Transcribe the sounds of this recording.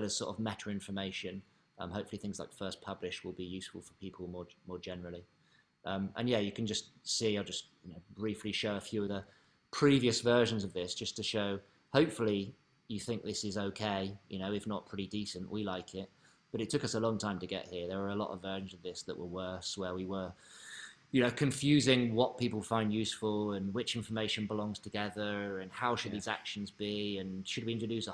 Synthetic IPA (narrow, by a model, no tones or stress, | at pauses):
lɪz̥sɔ̰ˑtəvmætɹəɪ̃ɱfə˞meɪʃɨ̃n | ʔʌ̰̃mhoʊpfl̩ˠiθɪ̃ŋzla̰ɪkfɜˑ˞spʰʌblɪʃt̚wɪlˠbijʉˑsfəl̩ˠfəpʰiˑpʰəl̩ˠmɔɹmɔɹd͡ʒɛnə˞l̩ˠi | ʔʌ̃mə̰̃njæjɨkʰɨ̃nd͡ʒʌstsiaɪlˠd͡ʒʌsjɨnoʊbɹiˑfliʃoʊəfjʉʌvðə | pʰɹ̥iviɨsvɜ˞ʒə̃n̩zʌvðɪsd̥ʒ̥ʌstʰɨʃoʊ | hoʊpfəl̩ˠi | jɨθɪ̃ŋk̚ðɪsɪzoʊkʰeɪjʔɨnoʊɪfnət̚pʰɹ̥ɪɾidiˑsə̃nʔwilaɪkʰɪt̚ | b̥ʌɾɨtʰʊkʌsəlɔ̃ŋtʰãɪ̃mtʰɨɡɛ̰ʔhiəɹðə˞ə˞əlɔ̰ɾə̰vːɜ˞ʃn̩zəvðɪsðə̰ʔwʔəwɜˑ˞swəwiwə˞ | jɨnoʊkʰɨ̃ɱfjʉːzɪ̃ŋwɒʔ̚pʰipəl̩ˠfãɪ̃ndjʉsfəlˠə̃nwɪt͡ʃɪ̃ɱfə˞meɪʃɨ̃nbəlɔ̃ŋz̥tʰəɡɛðə˞ə̃nhaʊʃɨd̪̚ðiza̰kʃɨ̃n̩zbiɨ̃nʃɨd̚wiɪ̃ntɹədʉˑsə